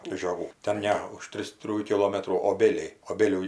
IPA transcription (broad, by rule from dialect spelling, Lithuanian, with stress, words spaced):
ʒʲoːˈɡuː tʲɛn ˈnʲɛ ʊʃ ˈtʲrʲɪs ˈtʲrʲɪjuː kʲɪˈlˠoːmʲɛtruː oːˈbʲeːlʲɛɪ oːˈbʲeːlʲuː